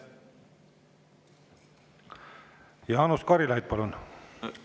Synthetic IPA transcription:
jɑːnuskɑɾilɑjd̪̥̚pɑlun

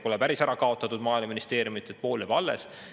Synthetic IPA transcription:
po̞lɛpæɾisæɾɑkɑo̞t̪ːˑɑt̪ːud̪̥mɑːjlmɑminist̪e̞ːɾjumit̪ːˑet̪̚ːpo̞ːlebɑlːḛs

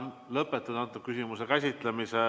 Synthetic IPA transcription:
n | lɤpːˑet̪ːˑud̪ɑnt̪ːˑup̚kysʲimusekæsʲit̪ˑlemise

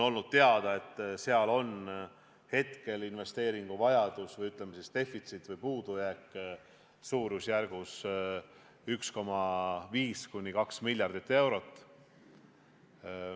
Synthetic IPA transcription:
o̞lnud̪̥̚t̪eɑd̪̥ɑe̞t̪ːˑse̞ɑlo̞n | he̞t̪ke̞linve̞st̪e̞ːɾiŋɡ̥uvɑjɑd̪̥usvɤjyt̪ːˑlemesist̪e̞fˑit̪sit̪ːˑvɤjpuːd̪̥ujækˑː | suːɾusjærɡ̥us | yksko̞mɑviːskunʲːikɑksmilʲjɑrd̪it̪ːe̞wɾo̞t̪ːˑ

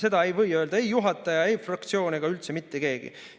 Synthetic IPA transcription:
se̞d̪ɑe̞jvɤ̞jøːld̪ɑe̞jjuɦɑt̪ːˑɑjɑe̞jfrɑk̚t̪sio̞ːneɡ̥ɑylt̪se̞mit̪ːe̞ɡe̞ːɡ̥ḭ

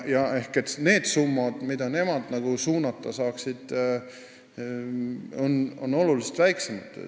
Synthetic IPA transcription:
jɑe̞hke̞t̪ne̞ːd̪̥sumːɑd̪̥mid̪̥ɑne̞mɑd̪̥nɑɡ̥usuːnɑt̪ːˑɑsɑːksid̪̥ | ono̞̰nːo̞lulise̥t̪væjksemɑd̪̥

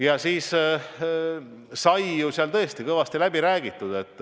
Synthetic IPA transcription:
jɑsiːs | sɑjjusiɑlt̪ɤ̞est̪ikɤvɑst̪ilæb̥iɾæːɡ̥it̪ˑːud̪̥e̞t̪ˑː

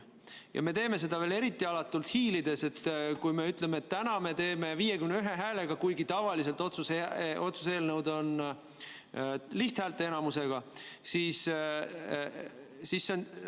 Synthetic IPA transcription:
jɑ̰me̞t̪e̞ːme̞s̬e̞d̪ɑele̞ɾit̪ːˑiɑlɑt̪ːˑult̪hiːlid̪e̞se̞t̪ːkujme̞yt̪le̞meet̪ːænɑme̞t̪e̞ːme̞viːje̞kymneyɦe̞ɦæːle̞ɡ̥ɑkujɡit̪ɑvɑlis̬e̞lt̪ˑo̞t̪suseo̞t̪suse̞ːlnəwd̪o̞n | liht̪hæːlt̪ːˑeenɑmuse̞ɡ̥ɑsiːs | sisːen

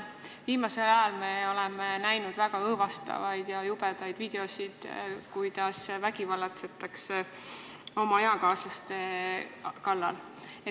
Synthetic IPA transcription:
viːmɑse̞lɑjɑlme̞o̞lɛmenæjnud̪væɡ̥ɑɤːvɑst̪ɑ̰vɑjd̪̥jɑjubɛd̪ɑjd̪̥viːd̪̥e̞osʲid̪̥kujd̪ɑsvæɡ̥ivɑlːɑt̪set̪ːˑɑkse | o̞mɑejɑkɑːslɑst̪e̞ | kɑlːɑ̰l | e

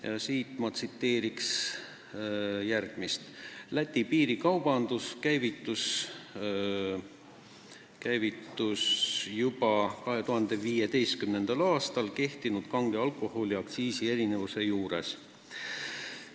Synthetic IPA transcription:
jɑsiːt̪ˑmɑt̪sit̪ːe̞ːɾiks | jærɡ̥mist̪læt̪ʲːipiːɾikɑwb̥ɑnd̪̥uskæjvit̪ːus | kæjvit̪ːusjubɑkɑɦe̞t̪uhɑnd̪̥e̞viːje̞t̪e̞jst̪̚kymne̞nd̪̥ɑlɑːst̪ɑlke̞ht̪inud̪̥kɑŋɡ̥eɑlkˑo̞ho̞liɑkt̪siːsie̞ɾine̞vuse̞juːɾe̞̰s

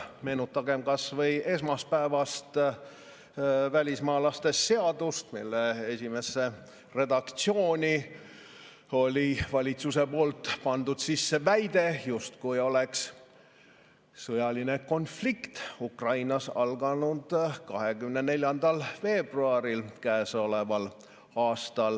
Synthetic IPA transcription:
me̞ːnut̪ːˑɑɡe̞mkɑsvɤjʔe̞smɑspæevɑst̪ | vælʲismɑːlɑst̪e̞sse̞ɑd̪ust̪milːee̞sʲime̞sːe̞ | re̞d̪̥ɑkt̪sio̞ːnʲi | o̞lʲivɑlʲit̪suse̞po̞ːlt̪ːˑpɑnd̪̥ud̪̥sisːe̞væjd̪e̞just̪kujo̞leks | sɤjɑline̞ko̞nflikt̪ukrɑjnɑsɑ̰lɡɑnud̪̥kɑɦe̞ɡ̥ymnene̞lʲjɑnd̪̥ɑlfe̞ːb̥ruɑɾilkæeːso̞le̞vɑl | ɑːst̪ɑl

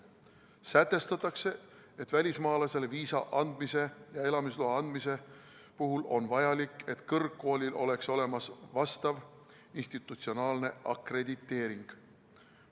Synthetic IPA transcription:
sæt̪ːˑe̞st̪ɑt̪ːˑɑkse̞ | et̪ːˑvælʲismɑːlɑse̞le̞viːsɑʔɑnd̪mise̞jɑe̞lɑmisloɑɑnd̪̥mise̞puɦulʔo̞̰nvɑjɑlikːˑe̞t̪kɤrkːo̞ːlʲilʔo̞le̞kso̞le̞mɑsvɑst̪ɑv | inst̪it̪ːˑut̪sio̞nɑːlne̞ʔɑkre̞d̪̥it̪ːe̞ːɾiŋɡ̥

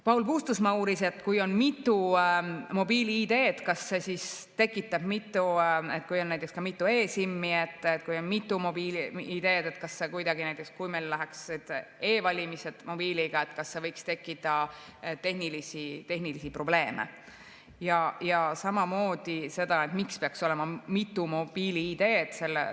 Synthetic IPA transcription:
pɑulpuːst̪usmɑuːɾise̞t̪ːkujo̞nmit̪ːu | mo̞biːliid̪e̞ːt̪kɑsːe̞sist̪e̞kːˑit̪ːˑɑb̥mit̪ːˑue̞t̪̚kujo̞nːæjt̪ːˑekskɑmit̪ːˑue̞ːsimːiet̪ːˑet̪kujo̞nmit̪ˑːumobiːlid̪e̞ːd̪̥e̞t̪kɑsːe̞kujd̪ɑɡinæjt̪ːˑekskujmejllæɦeksed̪̥e̞ːvɑlʲimise̞d̪̥mo̞biːliɡ̥ɑet̪kɑsːe̞vɤjkst̪e̞kːit̪ɑ | t̪e̞hnilisit̪e̞ɦnilisipro̞b̥le̞ːmḛ | jɑjɑsɑmɑmoːd̪̥ise̞d̪̥ɑe̞t̪mikspeɑkso̞le̞mɑmit̪ːumob̥iːliid̪e̞ːd̪̥se̞lːḛ

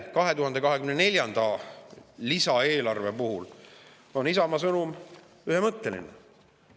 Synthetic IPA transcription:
kɑɦe̞t̪uhɦɑnd̪e̞kɑɦekymnene̞lʲjɑnd̪̥ɑ | lisɑe̞ːlɑrve̞puhul | o̞nisɑmɑsɤnum | yɦemɤt̪ːe̞lḭne

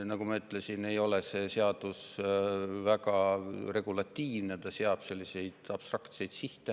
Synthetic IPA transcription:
nɑɡumɑyt̪ːlesine̞jo̞le̞se̞seɑd̪̥us | væɡɑre̞ɡ̥ulɑt̪ʲːiːvnet̪ɑseɑb̥se̞lʲːise̞jd̪̥ɑb̥st̪rɑkt̪se̞jd̪̥siht̪e

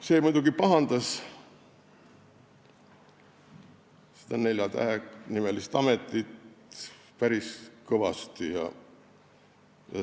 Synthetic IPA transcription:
se̞ːmujd̪uɡipɑɦɑnd̪̥ɑs | si̥d̪ɑne̞lʲjɑt̪æ̰enimelist̪ɑme̞t̪ːˑit̪ | pæɾiskɤvɑ̰st̪ijɑ̰ | jɑ̰

